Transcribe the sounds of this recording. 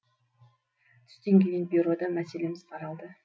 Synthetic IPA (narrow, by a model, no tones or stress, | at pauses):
t̪ʰʏ̥st̪e̞ŋɡʲeɡʲenbʲiɾo̞d̪ɑmæse̞le̞mɪz̥qʰɑɾɑlˠd̪ə